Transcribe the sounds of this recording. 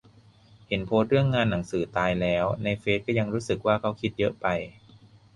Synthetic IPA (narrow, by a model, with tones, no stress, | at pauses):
he˩˦npʰoː˦˥t̪̚ɾɯ˥˩əŋːaː˧nːa˩˦ŋsɯː˩˦t̪aː˧jlɛː˦˥wna˧jfeː˦˥t̪̚kɔː˥˩ja˧ŋɾuː˦˥sɯ˨˩k̚waː˥˩kʰa˦˥wkʰi˦˥t̪̚jɤ˦˥ʔpa˧j